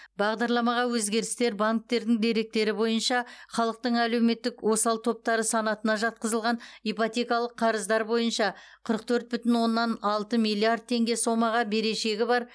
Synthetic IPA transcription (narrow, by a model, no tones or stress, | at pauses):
bɑʁd̪ɑɾlˠɑmɑʁɑwɵzɡʲe̞ɾɪst̪e̞ɾbaŋk̚t̪e̞ɾd̪ɪŋd̪e̞ɾe̞k̚t̪e̞ɾɪbo̞jənʃɑχɑlˠəq̚t̪əɴæle̞wme̞t̪ːɪkwo̞sɑlˠt̪ʰo̞p̚t̪ɑɾəsɑnɑt̪ənɑʒɑt̪̚qəzəlˠʁɑnipot̪ʲe̞kɑlˠəqʰːɑɾəzd̪ɑɾbo̞jənʃɑ | qʰəɾəq̚t̪ʰɵɾt̪̚bʏt̪ɪnwo̞nːɑnɑlˠt̪əmijlʲˠːijard̪̚t̪ʰe̞ŋɡʲe̞so̞mɑʁɑbe̞ɾe̞ʃe̞ɡʲɪbɑɾ